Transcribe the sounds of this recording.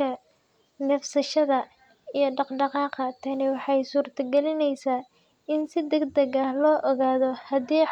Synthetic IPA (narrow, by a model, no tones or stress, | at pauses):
ɐ | nɐfsɐʃɐðɐ | ijɞɖɑqɖɑqɑːqɐt̪ʰɐnɪwɑħɑjsuːrt̪ʰɐɡɛlɪnɛjsaː | ɪnsɪd̪ɐɡd̪ɐɣɐhlɔːʔɔɣaːðɔhɐðiː